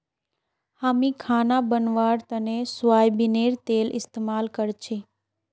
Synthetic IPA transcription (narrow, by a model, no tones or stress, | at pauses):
haːmĩkʰaːnabənʋaːɾt̪ənẽsʊʋaːjbɪneːɾt̪eːlʔɪ̰st̪eːmaːlkəɾt͡ʃʰeː